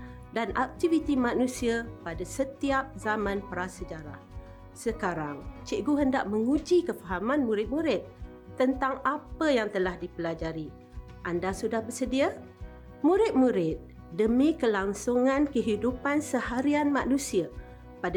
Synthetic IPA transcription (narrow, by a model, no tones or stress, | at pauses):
danʔa̰k̚t̪ivit̪imanusiapadasət̪iap̚zamãnpəɾasəd͡ʒaɾa̰h | səkaɾaŋt͡ʃɪʔɡuɦəndaʔməŋud͡ʒikəfaɦamanmuɾɪt̪̚muɾɪt̪̚ː | ənt̪aŋapəjaŋt̪əlahdipəlad͡ʒaɾi | ʔandasudahbərsədia | muɾɪt̪̚muɾɪt̪̚ | dəmikəlaŋsuŋankəɦidupansəhaɾianmanũsia | pada